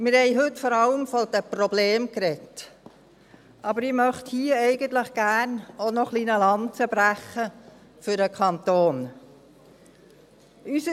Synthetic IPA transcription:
mɪɾhɛɪɦɵtfɔɾɑləmfɔd̪əprɔbleːmkɾɛt | ʔɑbəɾɪmœχt̪hiːəɛɪɡ̥ən̩t̪ləχɡ̥æːrnonɔχliːnəlɑnt͡səbɾæχə | fʏɾəkʰɑnt̪oːn | ysə

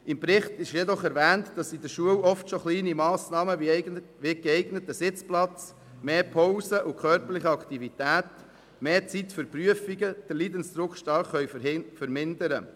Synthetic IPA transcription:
ɪmpɾɪχtɪʃjɛdɔχɛɾvæːntd̥ɑsid̪əʃuəwɔftʃoχliːnimɑːsnɑːməʋʋɪɡəɛɪɡnətəsɪt͡splɑt͡s | meːpʰowsəʔʊkʰœːɾpəɾlɪχəɑkt̪ivit̪æːt | meːt͡sitfʏɾpryəfiɡəd̥əliːd̪ənsd̪ɾʊkʃtɑːχːœʏfəɾmɪndəɾə

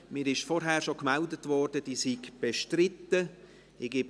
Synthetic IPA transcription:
mɪːɾɪʃfɔɾɦæːɾʃokmɛldətvɔrd̥əd̥iːsiɡb̥eʃtɾɪtːə | ɪɡ̥ɪb

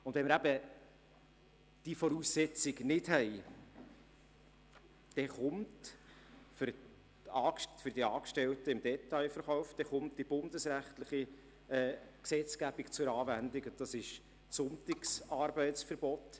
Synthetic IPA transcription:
ʊndvʋɛməɾæb̥ə | d̥ifɔɾuːsːɛt͡siɡnɪdhɛj | d̥ɛχʊmt | f | ɑːfʏɾdiɑːkʃtɛltəɪmd̥ɛt̪ɑjfərχɔʊfd̥̪ɛχʊmt̚d̥ib̥ʊndəsɾæχt̪ləχi | ɛːksɛt͡sɡ̥æb̥ikt͡sʊɾɑːvændikʊd̥ɑsɪʃ | sʊnt̪ɪksɑːrbɛɪtsfəɾb̥ɔt

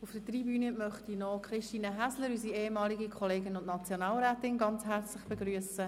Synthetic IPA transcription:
ufd̥ətribyːnəmœχtinɔkʰχɾɪʃtiːnəɦæsləɾysieːemɑːliɡikʰɔleːɡənʊnnɑt͡sjonɑːlɾɛːtɪnɡɑnt͡shɛrt͡slɪχb̥eɡɾyəsə

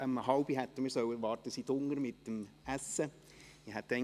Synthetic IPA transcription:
əmhɑʊb̥iɦɛt̪ːəmɪsœwəʋɑːɾt̪əsid̥ʊŋːəɾmɪt̚dəm | æsə | iɦɛt̪ːɛɪ

